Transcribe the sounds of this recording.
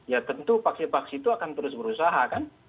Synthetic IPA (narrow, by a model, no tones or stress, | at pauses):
jat̪ənt̪upaksipaksit̪uakant̪əɾʊsbəɾusaɦakan